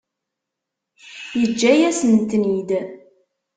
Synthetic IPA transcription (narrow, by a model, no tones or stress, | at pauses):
jəd͡ʒːæjæsənt̪nid̪